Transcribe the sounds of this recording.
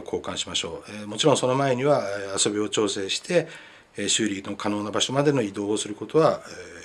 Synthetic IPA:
kʰo̞ːkãɰ̃ɕimaɕo̞ːmo̞t͡ɕiɾõ̞so̞no̞mae̞ɲ̟iβaaso̞bʲio̞t͡ɕo̞ːse̞ːɕi̥t̪ʰe̞ | ɕɨːɾʲino̞kʰano̞ːnabaɕo̞mad̪e̞noid̪o̞ːsɨɾɯ̟ko̞t̪o̞βa

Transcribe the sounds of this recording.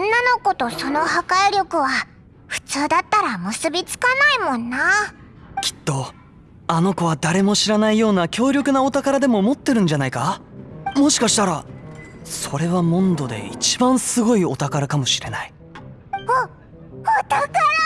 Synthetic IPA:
õnːano̞ko̞t̪o̞so̞no̞hakaiɾʲjo̞kɯ̟βa | ɸɯ̟̥t͡sɨːd̪at̪ːaɾamɯ̟sɨbʲit͡sɨ̥kanaimõ̞nːa | kʲʰi̥t̪ːo̞ | ano̞ko̞β̞ad̪aɾe̞mo̞ɕiɾanaijo̞ːnakʲo̞ːɾʲo̞kɯ̟naot̪akaɾad̪e̞mo̞mo̞t̪ːe̞ɾɯ̟̃ɲ̟d͡ʑanaika | mo̞ɕi̥kaɕi̥t̪aɾa | so̞ɾe̞βamõ̞nd̪o̞d̪e̞̰ḭt͡ɕi̥bãɰ̃sɨɡo̞io̞t̪akaɾakamo̞ɕiɾe̞nai | o | ot̪akaɾ

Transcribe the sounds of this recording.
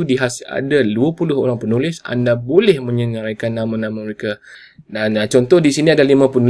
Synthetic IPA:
udiɦasa̰daluapulʊɦo̰ɾaŋpənulɪsa̰ndabolɛhmə̃ɲəɲaɾajkanːãmãnãmaməɾeka | dant͡ʃɔnt̪ɔhdisiniadalimãpənu

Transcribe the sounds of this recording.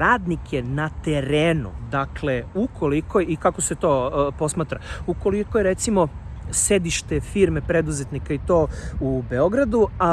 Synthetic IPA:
ɾaːd̪nikjenat̪eɾeːnṵd̪akle̞ukolikojikako̞se̞t̪o̞ːpo̞smaːt̪ɾauko̞likojeɾet̪simo̞se̞d̪iʃt̪efiɾmepɾed̪uzet̪nikait̪oːubeo̞ɡɾad̪ua

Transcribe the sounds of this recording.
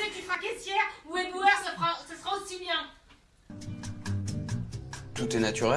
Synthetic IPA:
ed̪yfχakɛsjɛʁuẽd̪uœʁsəfʁasəsəʁaosibjɛ̃ | t̪ut̪ɛnat̪yʁɛ

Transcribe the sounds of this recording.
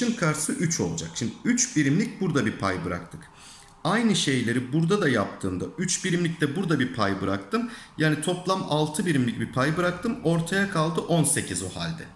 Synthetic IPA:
ɯnkʰaɾsɯʔyt͡ʃʰo̞lˠud͡ʒa̰kʃimd̪iyt͡ʃbiɾimlʲic̚ʲbuɾd̪abipʰajbɯɾa̰k̚t̪ʰɯk | ajnɯʃe̞jlʲe̞ɾibuɾd̪ad̪ajap̚t̪ʰɯːnd̪ayt͡ʃbiɾimlʲic̚t̪ɛbuɾd̪abiɾpʰajbɯɾak̚t̪ʰɯmjaːnit̪ʰo̞plˠamalˠt̪ʰɯbiɾimlʲic̚bipʰajbɯɾak̚t̪ʰɯmo̞ɾt̪ʰajakʰalˠd̪ɯʔo̞nse̞cʰizo̰ha̰lʲd̪ɛ

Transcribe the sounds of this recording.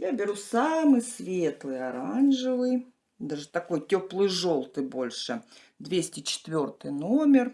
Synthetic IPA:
jabʲɪɾusamɨjsvʲe̞t̪lˠɨjɐɾanʐɨvɨj | d̪aʐɨt̪ɐko̞jtʲoplˠɨjʐolˠt̪ɨjbo̞lʲʂɨ | d̪vʲesʲtʲɪt͡ɕɪ̥t̪vʲo̞rt̪ɨjnomʲɪr

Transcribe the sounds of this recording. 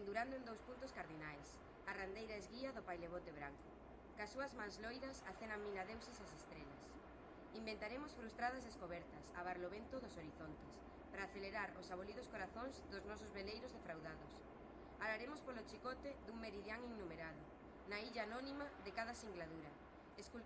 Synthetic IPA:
end̪uɾand̪ʊend̪owspunt̪ʊskaɾðinajs | arand̪ejɾaezɣiɐðʊpajleβot̪eβɾaŋkʊ | kasuɐzmãŋzlojðɐsaθenaŋminaðewsɪsasest̪ɾelɐs | imbẽnt̪aɾemʊsfɾust̪ɾaðɐzðeskoβɛɾt̪ɐsa̰βaɾloβent̪ʊðʊsoɾiθont̪es | pɾaːθeleɾaɾosaβoliðʊskoɾaθoŋzðʊznɔsʊzβelejɾʊzðefɾawðaðʊs | alaɾemospolot͡ʃikɔt̪ed̪uŋmeɾiðjaŋiŋnumeɾaðʊ | naiʎaːnɔnimaðekaðɐsiŋɡlaðuɾɐ | esku

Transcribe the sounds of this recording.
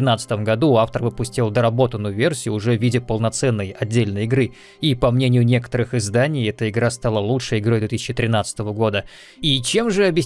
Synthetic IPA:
ɪnat̪sə̥t̪əmɡɐd̪uaft̪ərvɨpʊsʲtʲilˠd̪əɾɐbo̞t̪ənːʊjʊvʲersʲɪjʊːʐɛvʲidʲɪpəlˠnɐt̪sɛnːəjɐdʲːelʲnəjɪɡɾɨ | ipɐmnʲenʲɪjʊnʲe̞kə̥t̪əɾɨxɪzd̪anʲɪjɛt̪əɪɡɾast̪alˠəlˠutʂɨjɪɡɾojd̪vʲet̪isʲɪt͡ɕːɪt̪ɾʲɪnat̪sə̥t̪əvəɡo̞d̪ə | it͡ɕe̞mʐɨɐbʲjɪsʲ

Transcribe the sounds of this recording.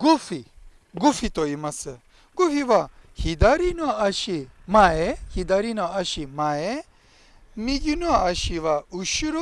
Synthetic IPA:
ɡufi | ɡufit̪oimɐsɨ | ɡufiʋahid̪aɾinuaɐʃi | maehid̪aɾinuaɐʃimaːje | miɡinuaɐʃiʋauʃuɾ

